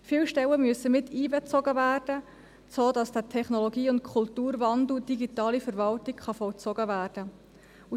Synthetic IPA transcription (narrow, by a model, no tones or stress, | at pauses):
fɪlʃtɛləmyəsəmɪtʰːiːbɛt͡sɔɡəvæːrd̥ə | t͡soːdɑsd̥ətʰɛχnoloɡiːʊnt̚kʰʊltuːɾvɑndl̩d̥iɡitɑːlifəɾvɑltɪkχɑfɔwt͡sɔɡ̥əvæːrd̥ə | u